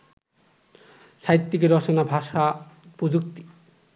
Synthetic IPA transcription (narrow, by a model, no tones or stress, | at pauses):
ʃʰajit̪ːikeɾɔt͡ɕonabʱaʃapɾod͡ʑukt̪i̥